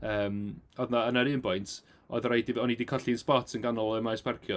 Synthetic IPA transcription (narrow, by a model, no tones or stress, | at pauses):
əːmɔðnaənaɾɨːmpɔjntʰ | ɔ̰ðɾajdivɔnidikʰɔɬiənspɔtʰənɡanɔlˠɔəmajspʰɛrkʰjɔ